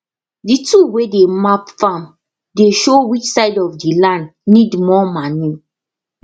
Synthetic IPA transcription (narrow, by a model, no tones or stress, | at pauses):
dituwedemapfãm | deʃowit͡ʃsaɪdɔfdilãndnidmɔmani